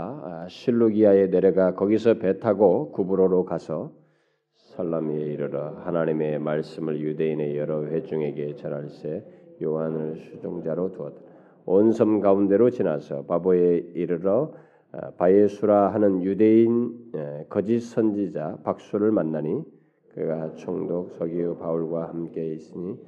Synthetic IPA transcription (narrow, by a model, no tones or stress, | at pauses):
ɕʰiɭːuɡiaene̞ɾʌɡakʌɡisʰʌpetʰaɡokubuɾoɾokasʰʌ | sʰaɭːamieiɾɯɾʌhanaɲime̞maɭs͈ɯmɯɭjude̞ine̞jʌɾʌɸe̞d͡ʑuŋe̞ɡe̞t͡ɕʌnaɭs͈ejowanɯɭsʰud͡ʑoŋd͡ʑaɾotuʌta | onsʰʌmɡaunde̞ɾot͡ɕinasʰʌ̰pabʌeiɾɯɾʌ | pajesʰuɾaɦanɯnjude̞inkʌd͡ʑisʰʌnd͡ʑid͡ʑapak̚s͈uɾɯɭmanːaɲi | kɯɾeɡat͡ɕʰoŋdok̚sʰʌɡiopauɭɡwahamke̞is͈ɯɲi